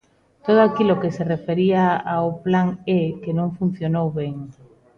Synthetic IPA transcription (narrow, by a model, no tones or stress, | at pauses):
t̪oð̞oakilokeserefeɾiaaoplaŋɛkenõŋfun̟θjonowβɛŋ